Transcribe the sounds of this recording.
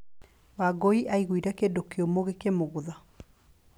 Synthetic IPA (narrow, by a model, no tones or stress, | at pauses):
waɡɔiʔaiɣwiɾɛkedokeomoɣekemoɣʊða